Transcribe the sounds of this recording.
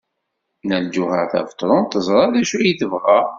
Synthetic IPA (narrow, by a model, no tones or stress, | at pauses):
næld͡ʒuhəʁθæ̰fə̥t̪ˤːɾˤʊnt̪əzˤɾˤɑðæʃuæjiθəvʁa